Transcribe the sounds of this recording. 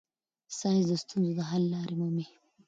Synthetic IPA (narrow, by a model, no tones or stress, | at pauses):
sɑjzd̪əst̪unzod̪əɦalːɑːɾimomi